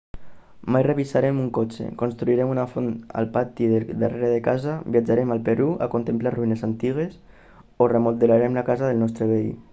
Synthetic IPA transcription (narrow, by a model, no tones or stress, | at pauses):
majreβisaɾemuŋkot͡ʃḛkonst̪ɾuiɾɛmunafona̰lˠpat̪iðed̪ərʔeɾeðekazabiad͡ʒaɾemalˠpeɾua̰kont̪emplaruinezant̪iɣ̞es | oremold̪elaɾemlakazaðelˠnɔst̪ɾeβei